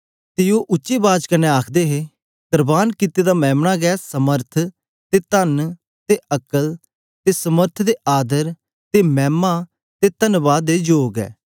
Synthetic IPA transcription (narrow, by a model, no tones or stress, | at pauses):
t̪ɪjoːʔʊːʃeːbaːd͡ʒkəneaːkʰd̪eːɦeː | t̪əɾbaːnkɪt̪eːd̪aːmɛ̃ːmnaːɡɛːsəməɾt̪ʰ | t̪et̪ən | t̪eʔəkəl | t̪esəməɾt̪ʰd̪eːʔaːd̪əɾ | t̪emɛ̃ːma | t̪et̪ənʋaːd̪eːd͡ʒoːɡɛ̰ː